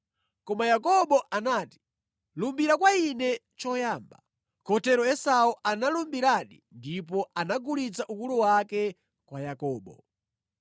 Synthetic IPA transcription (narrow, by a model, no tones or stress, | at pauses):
kɔmajakɔɓɔʔanaːti̥ | lumbiɾakwainɛ | t͡ʃɔjaːmba̰ | kʰɔtɛɾɔɛsauʔanalumbiɾaɗindip̬ɔanaɡulit͡saʔukuluwakɛ | kwajakɔːɓɔ̰